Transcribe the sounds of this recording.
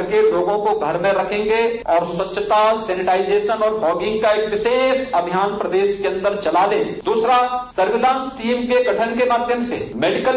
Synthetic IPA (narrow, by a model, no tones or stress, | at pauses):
ɾkeloːɡõkoɡʱɐɾmẽɾɐkʰẽːŋɡeɔːɾswɐtːʃʰːət̪asɛːnɪʈaːɪd͡ʒeːʃənɔːɾbɔːɡɪ̃ŋɡ̚kaeːkʋɪʃeːʃɐbʱijaːnpɾɐd̪eːʃkeɐ̃nd̪əɾt͡ʃɐlaːleːd̪uːsɾasɐɾʋɪlãːnsʈiːmkeɡɐʈʰənkemaːd̪ʱjəmsḛmeːɖɪkəl